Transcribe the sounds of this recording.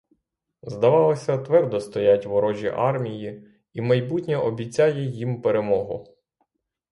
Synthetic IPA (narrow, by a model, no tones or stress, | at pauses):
zd̪ɐʋɑlˠɐsʲɐt̪ʋɛrd̪ɔst̪ɔjatʲʋɔɾɔʒʲḭʔɑrmʲiji | imɐjbutʲnʲɛʔɔbʲit͡sʲajɛjimpeɾemɔɦʊ̰